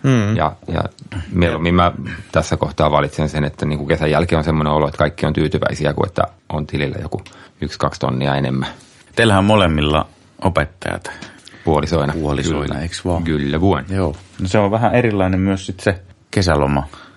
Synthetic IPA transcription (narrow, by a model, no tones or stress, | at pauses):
jɑ̰jɑ̰mielomːimmæt̪æsːækoht̪ɑːʋɑlit̪sensenet̪ːæniːŋkukesæjjælkionsemːoneoloet̪kɑikːiont̪yːt̪yʋæ̰isiækṵḛt̪ːæ̰ | ʔont̪ililːæ̰jo̰kuykskɑkst̪o̰nːiɑenḛmːæ | t̪elhæmmolemːilːɑ̰ | ʔopet̪ːɑ̰jɑ̰t̪puolisoinɑoliko̰iːn̰eksʋɑkylːæʋuonjoːnoseoʋʋæhæeɾilːɑinemmyøssit̪se | kesælomɑ